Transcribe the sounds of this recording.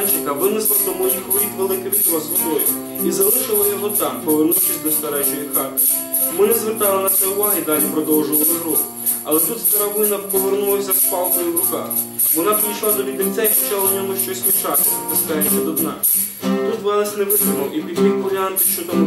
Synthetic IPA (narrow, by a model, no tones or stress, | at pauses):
nʲt͡ʃɪkɐʋɪnɪslˠɐd̪ɔmɔjixʋɔɾʲit̪ʲʋelˠɪkɪʋɪt̪ʲilˠɐsʋɔd̪ɔjʊ̰ | izɐlˠɪʃɪlˠɐjɔɦɔt̪ɑmpɔʋernuwt͡ʃɪsʲd̪ɔst̪ɐɾɛt͡ʃɔjixɑt̪ɪ̥ | mɪnɛzʋert̪ɑlˠɪnɐt͡s̪ʲsʲɛʊʋɑɦɪd̪ɑlʲipɾɔd̪ɔwʒɪlˠɔlˠɪɦɾɔx | ɐlˠɛt̪ut̪st̪ɐɾɑʋɪjnɐpɔʋernulˠɐsʲɐspɑlˠk̪ɔjʊwɾʊkɑ̰x | ʋɔnɑpʲɾʲijʃlˠɑd̪ɔʋʲid̪ɪnʲt͡s̪ʲɛjʃt͡ʃɑlˠɐnʲɔmʊʃt͡ʃɔsʲmʲit͡ʃɑt̪ɪt̪ɪskɑjʊʃt͡ʃːɛd̪ɔd̪nɑ̰ | t̪ut̪ʋɛɾɐsʲneʋɪd̪ɪmɔʔipʲid̪jixʋɔlʲɑnt̪ɪʃt͡ʃɔt̪ɐm